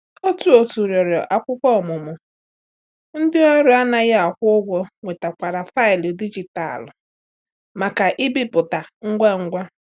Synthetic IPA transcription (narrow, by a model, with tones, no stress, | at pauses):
o˦tu˦o˨tu˨ɾjɔ˨ɾɔ˨ʔa˨kʷʊ˦kʷɔ˦˨mʊ˨mʊ˨ | n̩˦dɪ˦o˦ɾi˦a˦na˨ɣɪ˦a˨kʷʊ˦ʊ˦ɡʷɔ˦ŋʷe˨ta˨kʷa˨ɾa˨fa˦ɪ˨li˨di˦d͡ʒi˨ta̰˨l | ma˨ka˨ʔɪ˦bi˦pʊ˨ta˨ŋ̩˦ɡʷa˦ŋ̩˦ɡʷa˦